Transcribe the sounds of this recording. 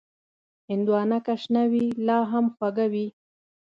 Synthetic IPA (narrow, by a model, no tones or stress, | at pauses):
ɪnd̪wɑnakaʃnawilɑɦamxwaɡawi